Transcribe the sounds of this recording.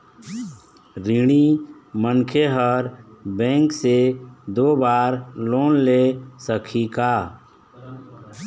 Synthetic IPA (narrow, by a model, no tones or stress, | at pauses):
ɾiɽ̃imənkʰeɦəɾbɛ̃ːŋksed̪oːbaːɾloːnlesəkʰikaː